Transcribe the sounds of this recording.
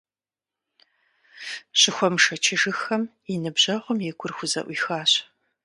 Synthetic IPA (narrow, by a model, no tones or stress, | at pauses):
ɕɪxʷɔmʂɐt͡ʃʰɪʒɨxɐm | inɨbʑɐʁʷʊmjɛɡʷʊrxʷʊzɐ̰ʔʷiːxaːɕ